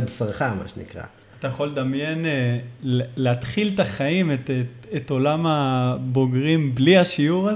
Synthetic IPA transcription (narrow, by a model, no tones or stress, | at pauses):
bsaʁχama̰ʃenḭkʁa̰ | at̪ajaχo̞led̪amje̞nelleat̪χilt̪aχaimet̪ | eto̞lamabo̞ɡʁimbliaʃiuʁa